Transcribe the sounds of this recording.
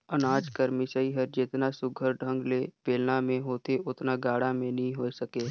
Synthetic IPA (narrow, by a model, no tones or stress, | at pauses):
ɐnaːd͡ʒkəɾmɪsəiɦəɾd͡ʒɪt̪nasʊɡʱəɾɖʱə̃ŋɡleːpeːlnamẽɦoːt̪eʊt̪naɡaːɽamẽnɐɦĩɦoːsɐkeː